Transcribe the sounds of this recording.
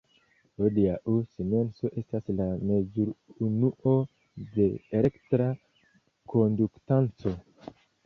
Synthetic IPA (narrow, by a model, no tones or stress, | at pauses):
odiaʔusime̞nso̞ʔe̞staslame̞zuɾunuʔo̞ | de̞ːle̞ktɾa | ko̞nduktant͡so̞